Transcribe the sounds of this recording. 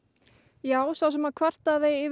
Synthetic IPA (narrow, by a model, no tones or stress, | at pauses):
jaːwsaws̬ɛmaðkʰvar̥t̪aðejɪv